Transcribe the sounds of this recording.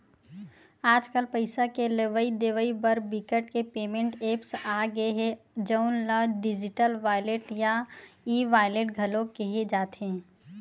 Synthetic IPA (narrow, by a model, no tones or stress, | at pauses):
aːd͡ʒkəlpəɪsakeleʋəid̪eːʋəibəɾbɪkəʈkepeːmẽɳʈeːpsaːɡəeɦɛ̃ | d͡ʒəʊnlaːɖɪd͡ʒɪʈəlʋaːjleʈjaiːʋaːjleʈ̚ɡʱɐlõkeɦed͡ʒaːt̪ɦɛ̃ː